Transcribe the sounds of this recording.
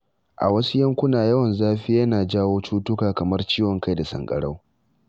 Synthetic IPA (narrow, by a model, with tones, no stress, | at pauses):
ʔa̰˨wɐ˦su˦jɐ˦ŋkʷʊ˦naː˨jɐ˦wɐ˨nzaː˦ɸiː˦jɐ˦naː˨d͡ʒaː˦woː˦t͡ʃuː˦tʊ˦kaː˨kɐ˨mɐ˦rt͡ʃiː˦wɔ˨ŋka˦jda˨sɐ̰˨ŋkʼɐ̰˨ɽa˦w